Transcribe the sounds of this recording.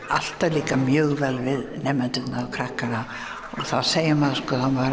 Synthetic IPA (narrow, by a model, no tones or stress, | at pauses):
al̥t̪aliːkamjœːɣvɛlvɪðnɛmɛnt̪ʏt̪naɔkʰɾahkana | ɔɣθawseːjɪmaðskɔanvaɾ